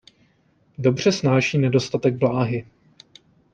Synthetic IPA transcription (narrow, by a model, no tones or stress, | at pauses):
do̞br̝̥ɛsnaːʃiːnɛdo̞st̪at̪ɛɡ̚blaːɦɪ